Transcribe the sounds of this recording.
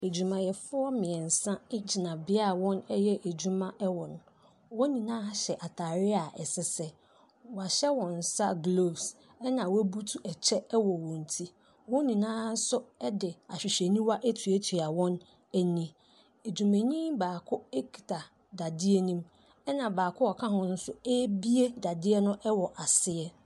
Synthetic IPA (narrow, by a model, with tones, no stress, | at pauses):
e˨d͡ʑu˨mã˨jɛ˨fʊ˦ɔ˦mɪ̃˨ɛ̃˨n˨sã˦ɪ˦d͡ʑi˨nã˨bɪ˦a˦˨wɔ̃˦nɛ˦jɛ˦ʔe˨d͡ʑu˦mã˦ʔɛ˦wɔ̃˨n˨ | wɔ̃˦nĩ˨nãː˦ɕɛ˨ʔa˨tʰa˨ɾɪ˦a˨ʔɛ˨sɪ˦sɛ˦ | wa˨ɕɛ˦wɔ̃˨n̩˨sa˦ɡlo˦s | ɛ˦nã˨wæ˦bu˦tʰu˦ʔɛ˨t͡ɕʰɛ˦wɔ˨wɔ̃˨n̩˨tʰi˦ | wɔ̃˦nĩ˨nãː˦sʊ˦ɛ˦dɪ˨a˨ɕᶣi˨ɕe˨nĩ˦wa˦ʔæ˦tʰu˨æ˦tʰi˨a˨wɔ̃˦n | æ˨nĩ˨ | e˨d͡ʑᶣu˨mẽ˨ɲĩ˦baː˨kʰʊ˦e˦kʰi̥˨tʰa˨ | da˨dɪ˦e˦nũ˦m | ɛ˦nã˨baː˨kʰʊ˦ɔ˨kʰã˦ɦʊ̃˨n̩˦sʊ˦ɛ˦bi˦e˦da˨dɪ˦ɛ˦nʊ̃˦ʔɛ˦wɔ˨ʔa˨sɪ˦ɛ˦